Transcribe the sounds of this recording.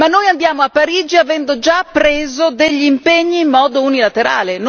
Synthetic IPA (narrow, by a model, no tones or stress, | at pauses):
manːojand̪jaːmoapːaɾiːd͡ʒiavɛnd̪od͡ʒapːɾeːzod̪eʎːiːmpeɲːiːmːɔːd̪ounilat̪eɾa̰ːlen